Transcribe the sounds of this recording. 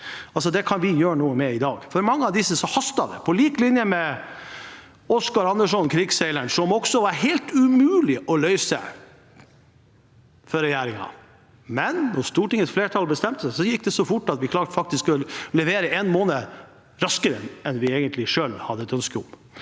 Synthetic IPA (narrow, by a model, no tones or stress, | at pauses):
ɑls̬ɔd̪ɛkʰɑnʋɪjøːɾəɳuːəmɛɪd̪ɑːɡfɔɾmɑŋːəɑʋd̪ɪsəsɔhɑst̪ɑd̪ɛ̰pʰɔliːklɪnjəmɛ | ɔskɑɾɑnd̪əʂɔnkʰɾɪɡsɛɪləɳʂɔmɔɡsɔʋɑɾɦɛɪlt̪ʉmʉːlɪʔɔlœʏsə̰ | fɔɾɛjæːɾɪŋɑ̰ | mɛnːɔst̪uːʈɪŋət̪fleːʈʰɑlbəst̪ɛmt̪əsæɪsɔjɪkːd̪ɛsɔfʊʈːɑt̪ʋɪkʰlɑːʈfɑk̚t̪ɪsklɛʋeːɾəʔɛnmoːnə | ɾɑskəɾəɛnʋɪeːɡənt̪ʰlɪʂøːlhɑd̪ːəɛt̪œnskəʊ̰m